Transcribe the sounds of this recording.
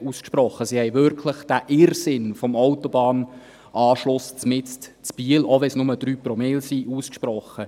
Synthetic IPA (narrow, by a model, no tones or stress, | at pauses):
uːskʃpɾɔχːəsihɛjvʏɾkʰləχd̥æʔɪrsɪnfɔmɔwtɔbɑːn | ʔɑːʃlʊst͡smɪt͡stt͡spiəlɔʋɛsnʊməd̥̪ɾyːprɔmelsiʔuːskʃpɾɔχːə